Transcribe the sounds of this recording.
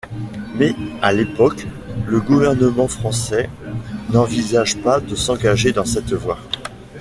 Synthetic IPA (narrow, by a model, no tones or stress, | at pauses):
mɛalepɔk | ləɡuvɛʁnəmɑ̃fχɑ̃sɛ | nɑ̃vizaʒpad̪əsɑ̃ɡaʒed̪ɑ̃sɛt̪vwa